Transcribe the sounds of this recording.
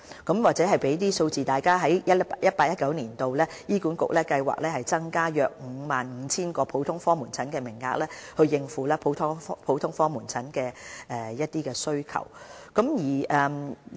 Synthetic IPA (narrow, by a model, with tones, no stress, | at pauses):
kɐ˨˥mwaː˨k̚t͡sɛː˨˥ɦɐ˨jpe˨˥jt̪̬iː˥so˧wt͡siː˨t̪aː˨jkaː˥ɦɐ˨˥jjɐ˥jɐ˥t̚paː˧jɐ˥t̚kɐ˨˥wniː˨˩nt̪o˨wlɛː˥jiː˥kuː˨˥nkʊ̰˨k̚lɛː˥kɐ˧jwa̰ː˨˩k̚lɛː˥hɐ˨jt͡sɐ˥ŋkaː˥jœː˨˧k̚ŋ̩˨˧maː˨nŋ̩˨˧t͡sʰiː˥nkɔː˧pʰo˨˥wt̪ʰʊ˥ŋfɔː˥muː˨˩nt͡sʰɐ˨˥nkɛː˧mɪ˨˩ŋːa̰ː˧k̚lɛː˥hɵ˧ɥjɪ˧ŋfuː˨˥lɛː˥pʰo˨˥wt̪ʰʊ˥fpʰo˨˥wt̪ʰʊ˥ŋfɔː˥muː˨˩nt͡sʰɐ˨˥nkɛː˧ʔɛː˨˧jɐ˥t̚t̪iː˥kɛː˧sɵ˥ɥkʰɐ̰˨˩wkɐ˨˥mjiː˨˩ʔɛː˨˧